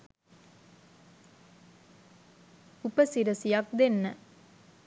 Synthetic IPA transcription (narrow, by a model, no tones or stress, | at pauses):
upəsiɾəsijɐk̚d̪enːə